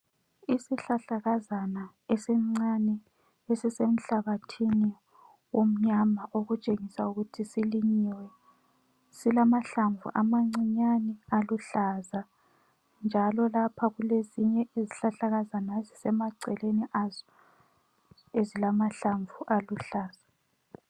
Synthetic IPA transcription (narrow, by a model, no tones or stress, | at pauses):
isiɬaɬaɣazana | esɛm̩ŋ͡ǀanɛ | esisem̩ɬaɣatʰini | wom̩ɲamaʔoɣut͡ʃʼeŋisauɣutʰisiliɲiwɛ | silamaɬaɱvṵʔamaŋ͡ǀiɲanɛaluɬaza | nd͡ʒʱalɔlapʰaɣuleziɲɛʔiziɬaɬaɣazanaezisɛmaǀɛleniʔazɔ | ezilamaɬaɱvuʔaluɬaːza